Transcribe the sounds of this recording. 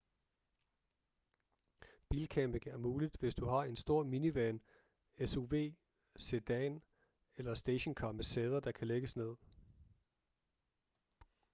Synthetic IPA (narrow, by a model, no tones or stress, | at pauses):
b̥ilkʰæmb̥eɡŋæɐmuːlid̥ʋe̝sd̥uhɑ̈e̝nsd̥o̝ɐ̰miniʋæn | esoʋe̝̰ː | sed̥ɛn | elɐsd̥eɕonkʰɒ̥meseːð̞ˠɐd̥ɑ̈kʰæleɡ̥əsne̝ð̞̰ˠ